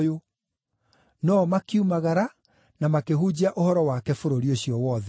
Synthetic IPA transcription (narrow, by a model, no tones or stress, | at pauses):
jo | nɔmakiumaɣaɾa | namakeɦud͡ʑiaʔohɔɾɔwakɛfoɾoɾioɕiɔwɔːðɛ